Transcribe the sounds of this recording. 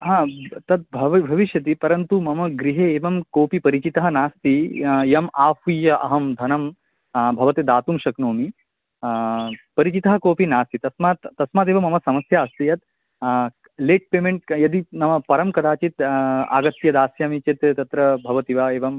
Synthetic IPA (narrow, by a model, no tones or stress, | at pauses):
ɦãːt̪ɐt̪̚bʱɐʋbʱɐʋiʃjɐt̪̬ipɐɾɐnt̪umɐmɐɡɾiɦeːeːʋɐmkoːpipɐɾit͡ʃit̪ɐɦɐnaːst̪ijɐmaːhujɐʔɐɦɐmd̪ʱɐnɐm | bʱɐʋɐt̪ed̪aːt̪umʃɐknoːmi | pɐɾit͡ʃit̪ɐɦɐ̆koːpinaːst̪it̪ɐsmaːt̪ːɐsmaːt̪eːʋɐmɐmɐsɐmɐsjaɐst̪ijɐt̪ | leːʈ̚peːmeɳʈ̚jɐd̪inɐʋɐpɐɾɐmkɐd̪aːt͡ʃit̪a̰ːɡɐt̪ːjɐd̪aːsjaːmit͡ʃet̪t̪ɐt̪ɾɐbʱɐʋɐt̪iʋaeːʋɐm